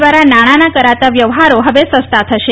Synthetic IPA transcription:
ʋaɾanaɽ̃anakəɾat̪aʋjəʋɦaɾoɦəʋesəst̪at̪ʰəʃe

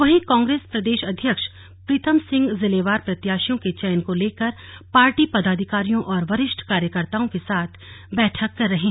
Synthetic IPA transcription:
ʋɐɦĩkãːŋɡɾeːspɾɐd̪eːʃɐd̪ʱjəkʃ | pɾɪt̪əmsɪ̃ŋɡzɪleːʋaːɾpɾɐt̪jaːʃijõket͡ʃɛːnkoleːkəɾ | paːɾʈipɐd̪aːd̪ʱɪkaːɾijõʔɔːɾʋɐɾɪʃʈʰkaːɾjəkəɾt̪aːõkesaːt̪ʰ | bɛːʈʰəkːɐɾːɐɦẽː

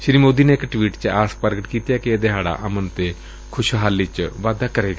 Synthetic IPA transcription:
ʃɪɾiːmoːd̪iːneːɪkʈʋiːʈt͡ʃaːspəɾɡəʈkiːt̪jaːkied̪eɦaːɽa̰ːʔəmənt̪eː | kʰʊʃɦaːlːiːt͡ʃʋaːd̪aːkəɾeːɡa

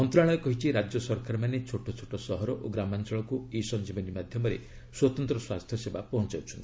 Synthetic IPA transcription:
ɔnt̪ɾaɭɔjɔkɔɦit͡ʃʰiɾad͡ʒjɔsɔɾkaɾɔmanet͡ʃʰoʈɔt͡ʃʰoʈɔsɔɦɔɾɔʔoɡɾamant͡ʃɔɭɔkuisɔnd͡ʒibɔnimad̪ʱjɔmɔɾḛiswɔt̪ɔnt̪ɾɔswast̪ʰjɔsebapɔɦɔnt͡ʃawt͡ʃʰɔnt̪i̥

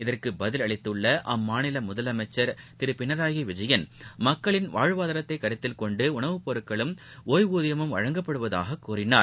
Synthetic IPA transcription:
ɪðɐrkɯbɐðɪlɐɭɪt̪ːɯɭːɐʔɐmːaːnɪlɐmʊðɐlɐmɐɪt͡ʃːɐɾt̪ɪɾɯpɪɳɐɾaːjɐɪʋɪd͡ʒɐjɐnmɐkːɐɭɪnʋaːɻʋaːðɐɾɐt̪ːɐɪkːɐɾɪt̪ːɪlkɔɳɖɯʊɳɐʋɯpɔɾɯkːɐɭɯmoːjʋuːðɪjɐmɯmʋɐ̰ɻɐŋɡɐpːɐɽɯʋɐða̰ːɣɐkːuːrɪnaːɾ

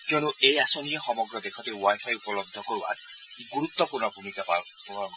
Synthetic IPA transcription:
kioñuejasoniexɔmɔɡɾɔd̪ekʰɔt̪ewajpʰajupɔlɔd̪ʱːɔkoɾiwa̰ | ɡuɾut̪ːɔpuɾnɔbʱumikapa | pɔ

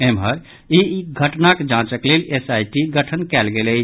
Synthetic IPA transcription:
emɦəɾ | iiɡʱəʈnaked͡ʒãt͡ʃəklelesajʈiɡəʈʰənkɛlɡelət͡ʃʰ

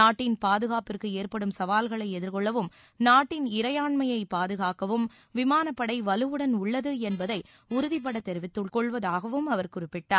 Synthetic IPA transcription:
naːʈːɪnpaːðɯɣaːpɪrkɯeːrpɐɽɯmsɐʋaːlɣɐɭɐɪɛðɪɾkɔɭːɐʋɯm | naːʈːɪnɪɾɐjaːɳmɐjɐɪpaːðɯɣaːkɐʋɯm | ʋɪmaːnɐpːɐɽɐɪʋɐlɯʋɯɽɐnʊɭːɐðɯɛnbɐðɐɪ | ʊɾʊðɪpːɐɽɐt̪ːɛɾɯʋɪt̪ːɯɭkɔɭʋɐðaːɣɐʋɯmɐʋɐɾkʊɾɪpːɪʈːaːɾ

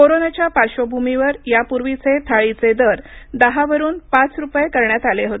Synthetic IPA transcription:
koɾonat͡ɕjapaɾɕobʱumiʋəɾjapuɾʋit͡set̪ʰaɭit͡sed̪əɾd̪əɦaʋəɾuːnpat͡sɾupjekəɾɳjat̪aleɦot̪e

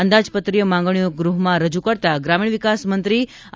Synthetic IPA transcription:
ənd̪ad͡ʒpət̪ɾijomãŋɡɳ̃ijoɡɾuɦmãɾəd͡ʒukəɾt̪aɡɾamiɳ̃ʋikasmənt̪ɾi

